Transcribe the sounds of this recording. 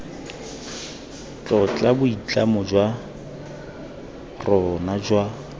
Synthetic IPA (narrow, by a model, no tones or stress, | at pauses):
t͡ɬʼɔt͡ɬʼabʊit͡ɬʼamʊd͡ʒwa | rɔnad͡ʒwa